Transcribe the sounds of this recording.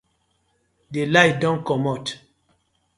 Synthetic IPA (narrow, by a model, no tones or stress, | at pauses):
delajdɔ̃nkɔmɔt